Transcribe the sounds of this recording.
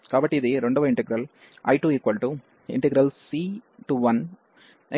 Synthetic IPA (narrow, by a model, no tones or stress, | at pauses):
kaːbɐʈːiðeɾɔɳɖɐʋɐɪɳʈɐɡɪɾɐl | ʔɐ̰ɪʈuːɪkʋɐlʈu | ɪ̰ɳʈɐɡɪɾɐlsiʈuʋɐn